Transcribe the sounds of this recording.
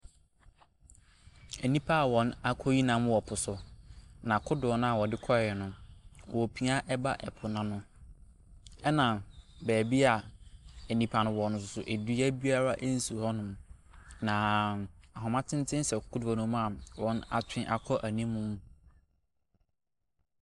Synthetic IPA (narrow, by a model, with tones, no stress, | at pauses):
e˨nĩ˦pʰa˦a˨wɔ̃˨na˦kʰɔ˦ji˦nã˦m˦wɔ˨pʰʊ˨sʊ˨nã˨kʰʊ˦dʊ˨ɔ˨˦nʊ̃˦a˨wɔ˨dɪ˦kʰɔ˦˨ɛ˨nʊ̃˨wʔɔ˨pʰi˦a˦ʔɛ˦ba˦ʔɛ̰˨pʰʊ˨nã˦nʊ̃˦ | ɛ˦nã˨bæː˨bi˦a˨e˨nĩ˨pʰa˨nʊ̃˨wɔ˨nʊ̃˨s̬ʊ˨sʊ˨ʔe˨du˦æ˦bi˦a˦ɾa˦ʔe˦n̩˦su˨hɔ˦nʊ̃˨m | nã˨a˨ɦɔ˨mã˦tʰɪ̃˦n˦tʰɪ̃˦n˦sɛ˨kʰʊ˦dɔ˨nʊ̃˦m˦a˨wɔ̃˦na̰˨t͡ɕʰᶣɪ̃˦ʔa˨kʰɔ˦ʔæ˨nĩ˦mːũʊ̃˦m˦